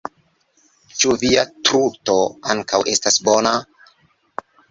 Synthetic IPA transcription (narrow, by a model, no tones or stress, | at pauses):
t͡ʃuviatɾuto̞aŋkawʔe̞stasbona